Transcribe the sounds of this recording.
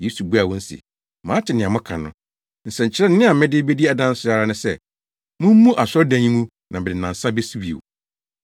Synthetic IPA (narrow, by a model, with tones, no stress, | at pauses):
je˨˦su˨bu˦a˨wɔ̃˦n̩˦sḭ˨ | mãː˨˦tʰɪ˨nɪ̃˨ã˨mʊ̃˦kʰã˨nʊ̃˦˨ | n̩˨sɛ̃˨ɲ̩˨t͡ɕʰɪ˦ɾɛ˦n˦nɪ̃˦a˨mɪ̃˦dɪ˦be˦di˦a˨dã˦n̩˦sʊ˦a˨˦ɾa˦nʊ̃˦sɛ˦ | mʊ̃˦m̩˦mũ˦ʔa˨sɔ˦dã˨˦ɲĩ˦mũ˦ | nã˨bɪ˨dɪ˨nã˨n̩˨sã˦be˦si˦bi˨ḛ˨w